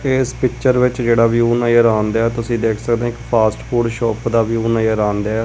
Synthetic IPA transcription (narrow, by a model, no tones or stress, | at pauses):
eːspɪkt͡ʃəɾʋɪt͡ʃd͡ʒeːɽaːʋijuːnaːjəːɾaːnd̪aːɛːt̪ʊsĩːd̪eːkʰsəkd̪ẽːɪkpʰaːsʈpʰuːɖʃɔːpd̪aːʋijuːnaːjəɾãːnd̪a